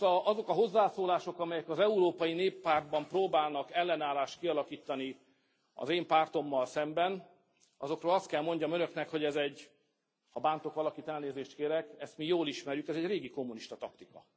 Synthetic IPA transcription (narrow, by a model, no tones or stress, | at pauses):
ɒzo̞kɒɦo̞zːaːsoːlaːʃo̞kɒmɛjɛkɒzɛuɾoːpɒjineːpːaːrd̪̚bɒmproːbaːlnɒkɛlːɛnaːlaːʃt̪̚kiɒlɒkiːt̪ːɒni | ɒ̰zeːmpaːrt̪o̞mːɒlsɛmbɛn | ɒzo̞kɾroːlɒst̪kɛlmo̞ɲɟɒmønø̞knɛkho̞ɟɛzɛɟ | hɒbaːnt̪o̞kʋɒlɒkiːt̪ɛlneːzeːʃt̪keːɾɛkɛst̪mijoːliʃmɛɾjukɛzɛɟreːɡiko̞mːuniʃt̪ɒt̪ɒkt̪ikɒ̰